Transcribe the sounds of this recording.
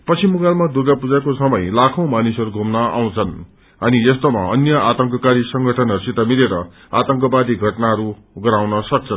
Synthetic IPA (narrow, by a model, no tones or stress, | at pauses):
pʌt͡sʰimuɡalmad̪uɡapud͡zakosʌmʌjlakʰõw̃manisʌɾuɡʱomnʌa̰w̃t͡sʰʌn | ʌnijʌst̪oma̰ʌnjʌat̪ʌŋkʌkaɾisʌŋɡʱʌʈʰʌnɦʌɾusit̪amiɾeɾʌ | a̰t̪ʌŋkʌbad̪iɡʱʌʈnaɦʌɾu | ɡʌɾaw̃nʌsʌk̚t͡sʰʌn